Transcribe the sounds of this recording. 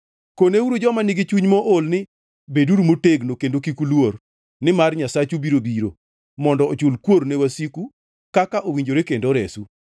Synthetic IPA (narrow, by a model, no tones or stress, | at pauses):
konewuɾod͡ʒɔmanɪɡɪt͡ʃuɲmɔʔolnɪ | beduɾumoteɡnokendokikulwor | nɪmarɲasat͡ʃubiɾobiɾo̰ | mɔndɔːt͡ʃʊlkwoɾnewasiku | kakaʔowiɲd͡ʒoɾekendoɾesu